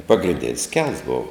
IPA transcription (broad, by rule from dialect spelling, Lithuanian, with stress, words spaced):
pɐɡrʲɪnʲˈdʲɛns kʲɛlˠs ˈboːw